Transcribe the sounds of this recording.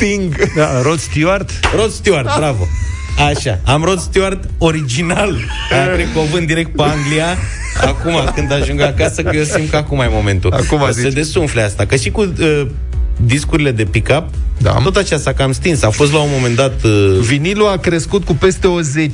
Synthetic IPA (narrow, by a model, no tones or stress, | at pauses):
tiŋɡ̪aɾot̪st̪art̪ɾo̞t̪st̪iard̪̚bɾavo | aʃaamɾo̞t̪st̪ioart̪o̞ɾid͡ʒinal | ep̪ɾekovɨnd̪iɾe̞k̚t̪̚peaŋɡlia | akumakɨnd̪aʒuŋɡakasəkjesim̚kəakumajemo̞me̞nt̪uakumazed̪e̞sunfleast̪akəʃiku | d̪iskuɾile̞d̪e̞pikap̚d̪a̰o̞t̪at͡ʃast̪akamst̪insafo̞s̬t̪laumo̞me̞nd̪at̪viniluakɾe̞skut̪̚kupe̞st̪e̞oze̞t͡ʃ